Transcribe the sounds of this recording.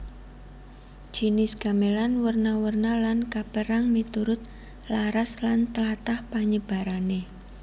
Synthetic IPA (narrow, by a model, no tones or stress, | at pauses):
ʒ̥inɪsɡ̥amelanwərnawərnalankapəɾaŋmit̪uɾʊt̪̚ | laɾaslant̪əlat̪ahpaɲəb̥a̤ɾane